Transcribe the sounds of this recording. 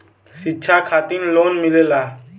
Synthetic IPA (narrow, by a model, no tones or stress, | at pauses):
sɪtːt͡ʃʰaːkʰaːt̪iːnloːnmɪleːlaː